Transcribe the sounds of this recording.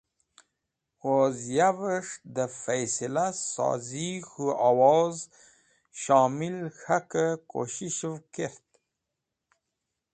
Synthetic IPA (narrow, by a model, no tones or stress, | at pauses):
ozjavəʂd̪əfajsilasɑ̰ːzixuawɑz | ʃɑːmilxakəko̰ɕiʃvkeɾt̪